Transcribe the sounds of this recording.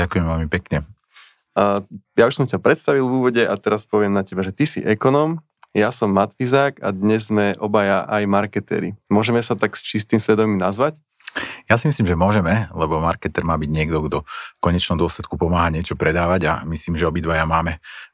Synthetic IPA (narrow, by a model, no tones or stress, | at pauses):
akujɛmʋɛlmipɛkɲɛ | jauʃsɔmcapɾɛt̪st̪aʋilˠvuːʋɔɟɛʔat̪ɛɾaspɔʋɪɛmnacɛbaʒɛt̪isḭʔɛkɔnɔːm | jasɔmːat̪fizaːka̰d̪ɲɛzːmɛʔɔbajaʔajmaɾkɛt̪ɛ̰ɾḭmʊɔʒɛmɛsat̪akst͡ʃist̪imsʋɛd̪ɔminazʋac | jasimisliːmʒɛmʊɔʒɛmɛlɛbɔmaɾkɛt̪ɛɾmaːbiɟɲɪɛɡd̪ɔɡd̪ɔkɔɲɛt͡ʃnɔmd̪ʊɔslɛt̪kupɔmaːɦaɲɪɛt͡ʃɔpɾɛd̪aːʋaɟa̰misliːmʒɛɔbid̪ʋajamaːmɛ